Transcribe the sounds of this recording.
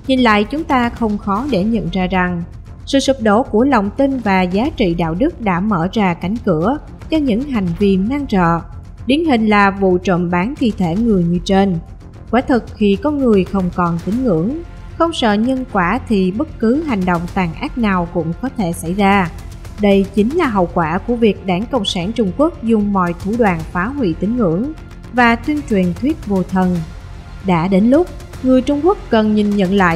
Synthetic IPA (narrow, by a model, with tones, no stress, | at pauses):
ɲi˨˩nla̰ː˧˨jt͡ɕʊ˨˦ŋ͡mt̪aː˧xə˧wŋ͡mxɔ˨˦ɗe˧˩ɲə̰˧˨nzaː˧za˨˩ŋ | sɨ̰˧˨sɨ˨˩p̚ɗo̰˧˩ku˧˩ələ˨˩wŋ͡mt̪i˧nvaː˨˩zaː˨˦t͡ɕḭ˧˨ɗa̰ː˧˨wɗɨ˦˥k̚ɗa̰ː˧˥məː˧˩zaː˧˩ka˨˩jŋ̟kɨ˧˩ə | t͡ɕɔ˧ɲɨ̰˧˥ŋɦa˨˩jŋ̟vi˧ənnaː˧ŋt͡ɕə̰ː˧˨ | ɗ̪i˨˦ənɦï˨˩ŋ̟laː˨˩vṵ˧˨t͡ɕə̰˧˨nɓaː˨˦nt̪ʰi˧t̪ʰe˧˩ŋɨ˨˩əjɲɨ˧t͡ɕe˧n | kwaː˨˦t̪ʰɨ˨˩k̚xi˧˩kɔ˧nŋɨ˨˩əjxə˧wŋ͡mkɔ˨˩nt̪ï˨˦ŋ̟ŋɨ̰˧˩˥əŋ | xə˧wŋ͡msə̰ː˧˨ɲə˧nkwaː˧˩t̪ʰi˨˩ɓə˦˥t̚kɨ˨˦ɦa˨˩jŋ̟ɗo̰˧˨wŋ͡mt̪aː˨˩ŋʔaː˦˥t̚naː˨˩wkʊ̰˧˥ŋ͡mkɔ˨˦t̪ʰe˧˩sa˧˩jzaː˧ | ɗə˧jt͡ɕï˨˦ŋ̟laː˨˩ɦə̰˧˨wkwaː˧˩ku˧˩əvi˨˩ək̚ɗaː˧˩ŋkə̰˧˨wŋ͡msaː˧˩nt͡ɕʊ˧ŋ͡mku˦˥ək̚zʊ˨˩ŋ͡mmɔ̰˧˨jt̪ʰu˧˩ɗwaː˨˩nfaː˨˦ɦwḭ˧˨t̪ï˨˦ŋ̟ŋɨ̰˧˩əŋ | vaː˨˩t̪wi˧ənt͡ɕwi˨˩ənt̪ʰwi˦˥ət̚vo˨˩t̪ʰə˨˩n | ɗa̰ː˧˥ɗe˨˦nlʊ˦˥k͡p̚ | ŋɨ˨˩əjt͡ɕʊ˧ŋ͡mku˦˥ək̚ːə˨˩nɲi˨˩nɲə̰˧˨nla̰ː˧˨j